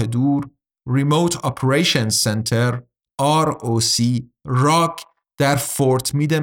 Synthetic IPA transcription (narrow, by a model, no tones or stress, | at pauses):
ed̪uːɾː | imowt̪ʰɒpʰeɾejʃɔnsent̪ʰeɾ | ɑːɾosiːɾɒkʰ | d̪̥æɾfoɾt̪ʰmiːd̪e